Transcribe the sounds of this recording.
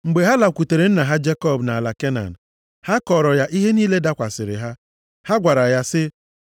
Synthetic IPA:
ŋ͡m̩˨ɡ͡be˨ɦa˦la˨kʷu˨te˨ɾe˨˦n̩˦na˨ɦa˦d͡ʒe˦kɔ˦˨bna˨a˨la˨ke˦na̰˨n̩˨ | ha˦kɔ˨ɾɔ˨ja˦ʔi˦ɦe˦niː˦le˦da˦kʷa˨sɪ˨ɾɪ̰˨ɦa˦ | ha˦ɡʷa˨ɾa˨ja˦sɪ˦

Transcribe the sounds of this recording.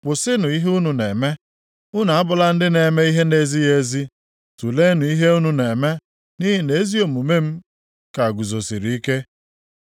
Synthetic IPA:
k͡pʊ˨sɪ˦nʊ˨i˦ɦu˦nu˨ne˨me˦ | ʊ˦na˨a˦bʊ˨la˦n̩˦dɪ˦ne˨me˦i˦ɦe˦ne˦zi˦je˦zi˦ | tu˨le˦nʊ˨i˦ɦe˦u˦nu˨ne˨me˦ | ni˦ɦi˨ne˨˦zi˦o˨mu˨me˦m̩˦ | ka˨ɡu˨zo˨si˨ɾi˨i˦ke˦

